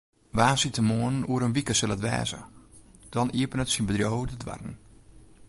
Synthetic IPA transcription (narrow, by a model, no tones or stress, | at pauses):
ʋaːsitəmoənənuəɾənʋikəsɪlˠətʋɛ̰ːzə̰d̥ɔniəpənətsinbədrjoːvətədʋa̰rn̩